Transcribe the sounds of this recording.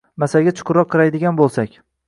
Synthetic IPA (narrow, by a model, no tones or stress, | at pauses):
masaɡʲat͡ʃʰʊ̥qʰʊɾɒqʰːɨɾajd̪ɪɡʲanbolˠsakʲ